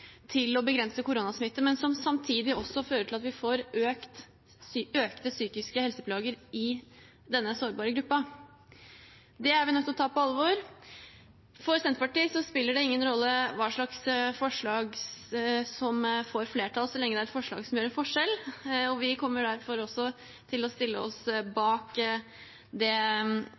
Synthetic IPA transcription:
t̪ʰɪlɔbəɡɾɛnsəkʊɾunɑsmɪt̪ːəmɛnsɔmsɑmt̪ʰiːd̪ɪɔsːɔføːɾəʈʰɪlɑt̪ʋɪfoːɾøːkt̪ː | øːkt̪əsyːkɪskəhɛlsəpʰlɑːɡəɾɪ | d̪ɛnːəsoːɾbɑːɾəɡɾʉpːɑ | d̪ɛæɾʋɪnɔkt̪ːɔt̪ʰɑːpɔɑlːəʋoːɾ | fɔɾsɛnt̪pɑʈiːsɔspɪlːəɖɛɪŋːənɾɔlːəʋɑːʂɭɑksfɔʂɭɑːɡ | sɔmfoːɾfleːʈʰɑːlsɔlɛŋːəd̪ɛæɾɛt̪fɔʂɭɑ̰ːɡsɔmjøːɾɛnfɔʂɛlɔʋɪkʰɔmːəɖ̪æɾfɔɾɔsːɔ | t̪ʰɪlɔst̪ɪlːəɔsbɑːk | d̪ɛ

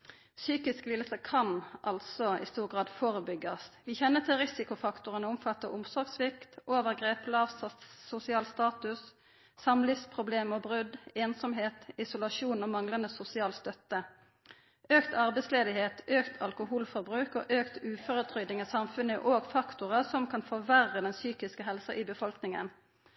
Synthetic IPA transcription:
syːkɪsklɪlsəkʰɑnʔɑ̰lt̪sɔɪ̰st̪uːʁɡʁɑːd̪foːʁəbʏɡːɑsʋiːçɛnːət̪ʰɪlʁɪsɪkʊfɑkt̪ʊʁənəʊmfɑt̪ːəʔʊmsɔʁɡsʋɪkt̪ʔoːʋəʁɡʁeːplɑːʋsʊsɪɑːlst̪ɑːt̪ʉsː | ɑmlifspʰʁʊbleːmobʁʉd̪eːnsɔmɦeːt̪ɪsʊlɑʃuːnoːmɑŋlɑnd̪əsʊsɪɑːlst̪œt̪ːə | ʔøːkt̪ʰɑʁbɛɪsleːd̪ɪheːt̪øːkt̪ʰɑlkʊhuːlfɔʁbʁʉːkoːʔøːkt̪ʉːføːʁət̪ʰʁʏd̪ɪŋəsɑmfʉnəʔoːɡfɑkt̪ʊʁəsɔmkʰɑnfɔʋæʁəd̪ɛnsyːkɪskəɦɛlsɑʔiːbəfɔlknɪŋə̰n

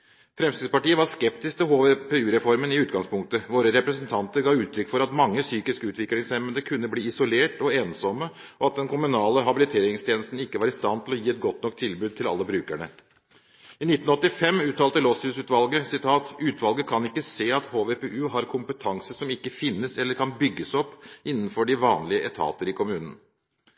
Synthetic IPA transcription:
fɾɛmst̪iːd̪spɑʈiːəʋɑskɛpt̪ɪsk̚t̪ʰɔɦoːʋepɛʉːɾɛfɔɾmənɪʉːt̪ɡɑŋspʰʊŋk̚t̪əʋoːɾəɾɛpɾəsənt̪ʰɑnt̪əɾɡɑːʉːt̪ʰɾʏkːfɔɾɑt̪mɑŋːəsyːkɪskəʉːt̪ʋɪklɪŋsɛmənd̪əkʰʉnːəbliːɪsɔleːʈɔeːnsɔməɔɑt̪̚d̪ɛnkʰʊmʉnɑːləɦɑbɪlɪt̪ʰeːɾɪŋst̪jeːnəst̪n̩ɪkːəʋɑːɾɪst̪ɑnːt̪ʰɪlɔjiːɛt̪̚ɡɔt̪nɔk̚t̪ʰɪlbʉːd̪̚t̪ʰɪlɑ̰lːəbɾʉːkæɳə̰ | ɪnɪt̪ːn̩ɔt̪ːɪfɛmːʉːt̪ʰːɑːlt̪əlɔsʉsʉːt̪ʋɑlɡəsɪt̪ʰɑːt̪ʉːt̪ʋɑlɡəkʰɑnɪkːəseːɑt̪hoːʋepeːʔʉːɦɑɾkʰʊmpət̪ʰɑŋsəsɔmɪkːəfɪnːəsɛlːəɾkʰɑnbʏɡːəsɔpːɪnːn̩fɔɖɪʋɑːnlɪəʔɛt̪ʰɑ̰ːt̪əɾɪkʰʊmʉːnən

